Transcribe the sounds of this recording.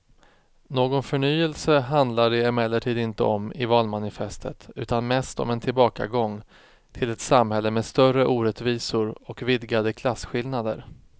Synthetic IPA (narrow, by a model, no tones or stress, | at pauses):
noːɡɔnfœɳyːəlsəɦand̪laɖɛɛmɛlːəʈʰiːd̪ɪnt̪ə̰ɔmɪvɑːlmanɪfɛst̪ʰə̰t̪ʉ̟̰ːt̪anmɛst̪ɔ̰mɛnt̪ʰɪlbɑːka̰ɡɔŋː | t̪ʰɪlɛt̪samhɛlːəmɛst̪œrəʔuːɾɛt̪viːsʊɾɔkvɪd̪ɡad̪əkʰlasɧɪlnad̪ə̰ɾ